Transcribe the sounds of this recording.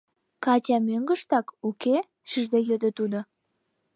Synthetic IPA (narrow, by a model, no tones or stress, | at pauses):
kɑtʲɑmøŋɡə̆ʃt̪ɑkuke | ʃyʒd̪ejød̪ə̆t̪ud̪ŏ